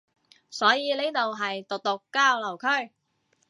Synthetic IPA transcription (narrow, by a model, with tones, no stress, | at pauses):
sɔː˨˥jiː˨˧le˥˩t̪o˨wɦɐ˨jt̪ʊ˨k̚t̪ʊ˨kːaː˥wlɐ˨˩wkʰɵ˥ɥ